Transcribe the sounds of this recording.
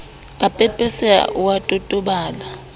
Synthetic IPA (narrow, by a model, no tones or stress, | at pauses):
apʼɛpʼɛsɛwatʼutʼuɓaːla